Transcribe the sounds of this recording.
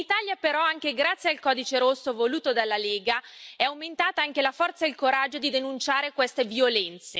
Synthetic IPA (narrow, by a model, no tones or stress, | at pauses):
it̪aːljapeɾɔaŋk̟eɡɾat̪sːjealkɔːd̪it͡ʃeɾosːovoluːt̪od̪alːaleːɡaɛawment̪aːt̪aaŋk̟elafɔrt̪sailkoɾad͡ʒːod̪id̪enunt͡ʃaːɾekwest̪eviolɛnt̪se